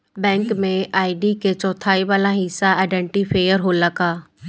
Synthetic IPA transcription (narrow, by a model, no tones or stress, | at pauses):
bɛ̃ːŋkmẽʔaːiɖikʰet͡ɕɔ̃ːt̪ʰaːiʋaːlãɦiːsaaːɪɖẽːɳʈifʰeːjəɾɦoːlakaː